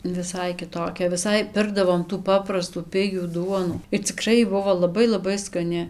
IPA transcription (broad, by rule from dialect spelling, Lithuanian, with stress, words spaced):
ʋʲɪˈsɐɪ kʲɪˈtoːkʲɛ ʋʲɪˈsɐɪ ˈpʲɪrɡdɐʋoːm tuː ˈpɑːprɐstuː ˈpʲɪɡʲuː ˈduɔnuː ɪr t͡sʲɪˈkrɐɪ ˈbʊʋoː lˠɐˈbɐɪ lˠɐˈbɐɪ skɐˈnʲɪ